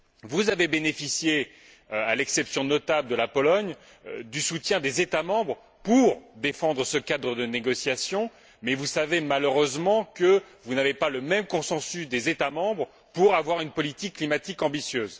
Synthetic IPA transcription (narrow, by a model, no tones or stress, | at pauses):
vuzavebenefisje | alɛksɛpsjɔ̃nɔt̪abld̪əlapɔlɔɲ | d̪ysut̪jɛ̃d̪ezet̪amɑ̃bʁ | puʁd̪efɑ̃d̪ʁəsəkad̪ʁəd̪əneɡɔsjasjɔ̃ | mɛvusavemaløʁøzmɑ̃kə | vunavepaləmɛmkɔ̃sɑ̃sysd̪ezet̪amɑ̃bʁ | puʁavwaʁynpɔlit̪ikːlimat̪ikɑ̃bisjøːz